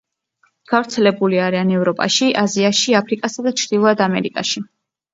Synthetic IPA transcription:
ɡ̥avɾt̪sʰɛlɛbuliaɾianɛvɾɔpʼa̰ʃiʔaziaʃiapʰɾikʼasad̪at͡ʃʰɾd̪ilˠɔad̪amɛ̰ɾikʼaʃi

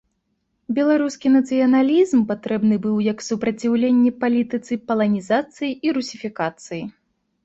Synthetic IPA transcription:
bʲɛlˠaɾuskʲinɐt̪sɨjɐnalʲizmpat̪ɾɛbnɨbɨwjɐksupɾɐt͡sʲiwlʲenʲːɛpalʲit̪ɨt̪sɨpɐlˠɐnʲizat̪sɨjiiɾusʲifʲikat̪sɨji

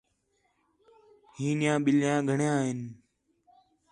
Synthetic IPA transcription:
ɦiːnjãːɓɪljãːɡʱəɳjãːɦɪn

